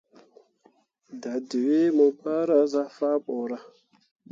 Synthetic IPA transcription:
da˨də˨we˦mə˨pa˦ɾa˦za˦fa˦ɓo˨ɾa˦

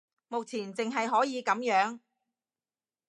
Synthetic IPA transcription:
mo˨k̚t͡sʰiː˨˩nt͡sɪ˨ŋɦɐ˨jɦɔː˨˥jiː˨˧kɐ˨˥mjœː˨˥ŋ

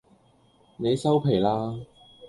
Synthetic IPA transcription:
ne˨˧jsɐ˥wpʰe˨˩jlaː˥

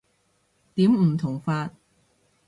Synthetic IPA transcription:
t̪iː˨˥mm̩˨˩t̪ʰʊ˨˩ŋfaː˧t̚

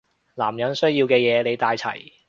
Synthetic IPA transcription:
laː˨˩mjɐ˨˥nsɵ˥ɥjiː˧wkɛː˧jɛː˨˧ne˨˧jt̪aː˧jt͡sʰɐ̰˨˩j

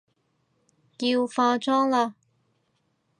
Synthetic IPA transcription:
jiː˧wfaː˧t͡sɔː˥ŋlaː˧

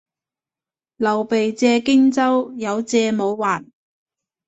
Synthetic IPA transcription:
lɐ˨˩wpe˨jt͡sɛː˧kɪ˥ŋt͡sɐ˥wjɐ˨˧wt͡sɛː˧mo˨˧wːaː˨˩n

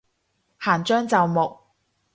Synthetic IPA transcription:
haː˨˩nt͡ʃœː˥ŋt͡sɐ˨wmʊ˨k̚

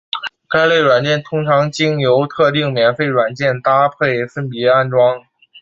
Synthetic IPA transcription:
ka˥ɪle˥˩ɪɻwa˨˩nt͡ɕjɛ˥˩nt̪ʰʊ˥ŋʈ͡ʂʰɑ˧˥ŋt͡ɕi˥ŋjo˧˥ʊt̪ʰɤ˥˧t̪̬i˥˩ŋmjɛ˧˥nfe˥˩ɪɻwa˨˩nt͡ɕjɛ˥˩nt̪a˥pʰe˥˩ɪfə˥npi˧˥a˥˩nʈ͡ʂwɑ˥ŋ

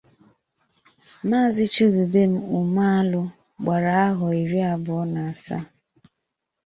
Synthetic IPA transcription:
maː˦˨zɪ˦t͡ʃu˦du˨be˦m̩˦u˨ma˦a˦lʊ˦ | ɡ͡ba˨ɾa˨a˦ɦɔ˨i˨ɾi˦a˨bʊ˨ɔ˦na˨a˨sa̰˦

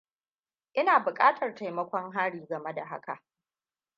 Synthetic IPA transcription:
ʔɪ˦naː˨bʊ˨kʼaː˦tʰɐ˨rta˨jmɐ˦kʷɔ˦ŋɦaː˦ɽiː˨ɡɐ˨me˦da˨ɦa̰˦ka̰˨ʔ

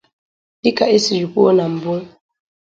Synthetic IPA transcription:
i˦ka˨e˦si˨d͡ʒu˨ku˦o˦na˨m̩˨bu˦ŋ

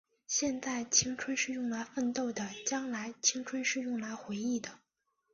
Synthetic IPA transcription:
ɕjɛ˥˧nt͡sa˥˩ɪt͡ɕʰi˥ŋʈ͡ʂʰwə˥nʂɻ̩˥˧jʊ˥˩ŋla˧˥ɪfə˥˧nt̪o˥˩ʊd̪ə˩t͡ɕjɑ˥ŋla˧˥ɪt͡ɕʰi˥ŋʈ͡ʂʰwə˥nʂɻ̩˥˧jʊ˥˩ŋla˧˥ɪxwe˧˥ɪi˥˩d̪ə˩

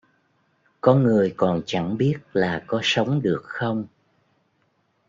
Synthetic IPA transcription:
kɔ˨˦nŋɨ˨˩əjkɔ˨˩nt͡ɕa˧˩ŋɓi˦˥ət̚laː˨˩kɔ˨˦sə˨˦wŋ͡mɗɨ˨˩ək̚xə˧wŋ͡m

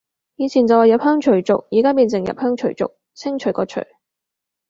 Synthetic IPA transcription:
jiː˨˧t͡sʰiː˨˩nt͡sɐ˨waː˨jɐ˨p̚hœː˥ŋt͡ʃʰɵ˨˩ɥt͡sʊ˨k̚jiː˨˩kaː˥piː˧nt͡sɪ˨˩ŋjɐ̰˨p̚hœː˥ŋt͡ʃʰɵ˨˩ɥt͡sʊ̰˨k̚ | t͡sʰɪ˥ŋt͡ʃʰɵ˨˩ɥkɔː˧t͡ʃʰɵ̰˨˩ɥ

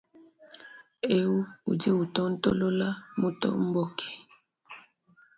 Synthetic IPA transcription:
e˦u˦ṵ˨d͡ʒi˦u˨tɔ˦n̩˦tɔ̰˦lo˦la˦mu˦tɔ̰˦m̩˦bɔ˦˨kʰi̥˨

